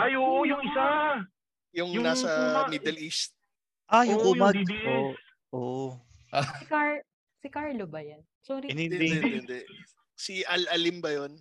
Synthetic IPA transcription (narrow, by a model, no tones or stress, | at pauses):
ʔajoːʔojʊŋɪsa | jʊŋnasɐmid̪ɛlist̪̚ | ʔajʊŋkuːmɐd̪o | ʔoʔ | ʔaaɹ | sɪkaɹlobɐjansoːɾnɪɛɛnd̪ɛʔ | siʔɐlɐlimbɐjon